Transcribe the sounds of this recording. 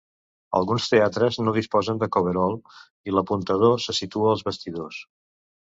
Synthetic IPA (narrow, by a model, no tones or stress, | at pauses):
ə̰lˠɣunst̪eat̪ɾəznoðispɔzənd̪əkoβ̞əɾɔlˠ | iləpunt̪əð̞osəsit̪uəːlˠzβəst̪iðos